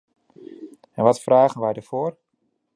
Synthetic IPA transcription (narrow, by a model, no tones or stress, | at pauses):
ɛnʋɔtfraːɣənʋɛjdərv̥oːr